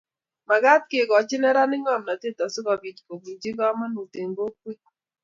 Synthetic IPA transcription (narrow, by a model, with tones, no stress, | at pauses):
ma˨ɡa˦t̚ke˨ɡɔ˨t͡ʃɪ˦nɛ˦ɾa˦nɪ˦ŋɔ˦˨mna˨te˦˨ta˨so˦ka˨bi˨tko˨bi˨d͡ʒi˦ɡɔ˦ma˦nu˨te˨ŋɡo˦kwe˦